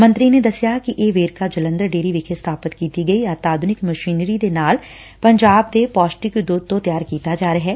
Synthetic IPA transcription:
mə̃nt̪ɾined̪ɐsjakiʔeːʋeːɾkad͡ʒələ̃nd̪əɾɖeːɾiʋɪkʰest̪ʰaːpət̪kiːt̪iɡɐiaːt̪aːd̪ʱʊnɪkməʃiːnɾid̪enaːl | pəɲd͡ʒaːb̚t̪epɔːsʈɪkd̪uːd̪̚t̪õt̪jaːɾkiːt̪ad͡ʒaːɾəɦɛː

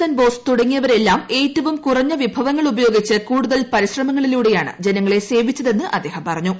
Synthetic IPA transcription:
ɐnbo̞ːst̪uɽɐŋːijɐʋɐɾe̞lːaːme̞ːtːɐʋɐmkurɐɲːɐʋibʱɐʋɐŋːɐɭubɐjo̞ːɡit͡ɕːɨkuːɽuðɐlpɐɾiɕrɐmɐŋːɐɭiluːɽe̞jaːɳɨ̰d͡ʑe̞nɐŋːɐɭe̞se̞ːbit͡ɕːɐðe̞nːɨʔɐd̪ːe̞ːhɐmpɐrɐɲːu

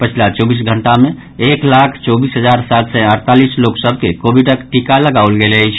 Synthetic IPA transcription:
pət͡ʃʰlat͡ʃobis̬ɡʱəɳʈamẽ | eklakʰt͡ʃɔbisɦəd͡ʒaɾsat̪sɛəɾt̪alisloksəbʱkekobiɖəkʈikaləɡawlɡeləjt͡ʃʰ

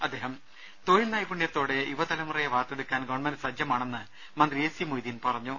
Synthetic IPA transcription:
ɐd̪ːe̞ːɦɐm | t̪oːjilnaːjpuɳjɐt̪ːo̞ːɽe̞uʋɐt̪ɐlɐmɐrɐjɐʋaːt̪ːeɽukːaːnɡɐʋɐɳmɐndɨsɐd͡ʑjɐmaːɳe̞nːɨ | mɐnd̪rieːsimojd̪inpɐrɐɲːu

